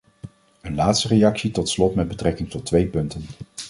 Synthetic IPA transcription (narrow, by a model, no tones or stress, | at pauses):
ənlaːtstərejɑksitɔtslɔtmɛd̚bətrɛkɪŋtɔtːʋejpɵntən